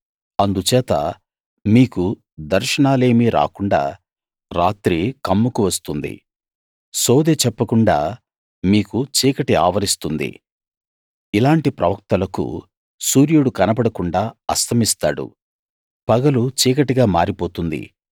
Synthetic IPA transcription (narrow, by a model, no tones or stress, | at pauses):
ɐnd̪ut͡ʃɛːt̪ɐ̰ | miːku | d̪ɐɾʃɐɳaːle̞ːmiɾa̰ːkuɳɖa̰ː | ɾaːt̪ɾikɐmːukuʋɐst̪und̪ḭ | soːd̪eːt͡ʃɛpːɐkuɳɖa̰ː | miːkut͡ʃiːkɐʈia̰ːʋɐɾist̪und̪ḭ | ilaːɳʈipɾɐ̰ʋɐk̚t̪ɐlɐkṵ | suːɾjuɽukɐnɐbɐɽɐkuɳɖaːɐst̪ʰɐmist̪a̰ːɽṵ | pɐɡɐlut͡ʃiːkɐʈiɡaːmaːɾipoːt̪und̪ḭ